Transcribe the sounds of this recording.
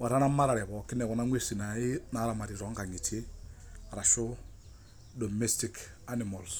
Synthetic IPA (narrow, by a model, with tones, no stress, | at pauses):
wa˨ɾa˦na˦ma˦ɾa˨ɾɛ˨βɔ˨kɪ˦nɛ˨kɔ˨na˦ŋʷe˦si˨na˨i˦na˨˦ɾa˨ma˨ɾi˨ɾɔ˨˦ŋka˨ŋi˨t͡ʃe˦ | ɾa˨ʃu˦ | do˨me˦sti˦k | a˦nimo˨ls